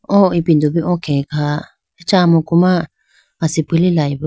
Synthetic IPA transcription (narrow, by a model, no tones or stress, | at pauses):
õipind̪uβiʔõkʰẽka | et͡ʃamõkumã | asipililaiβ